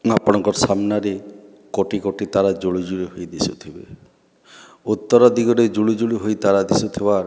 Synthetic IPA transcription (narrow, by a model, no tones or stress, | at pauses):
apɔɽ̃ɔŋkɔɾsamnaɾe | koʈikoʈit̪aɾad͡ʒuɭid͡ʒuɭiɦojd̪isut̪ʰibḛ | ut̪ːɔɾɔd̪iɡɔɾed͡ʒuɭid͡ʒuɭiɦojt̪aɾad̪isut̪ʰibaɾ